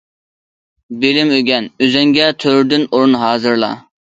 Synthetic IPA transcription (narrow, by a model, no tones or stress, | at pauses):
bɪlɪmøɡʲɛnøzɛŋɡʲɛt̪ʰøɾd̪ynuɾunɦɑːzɨɾlˠɑ̰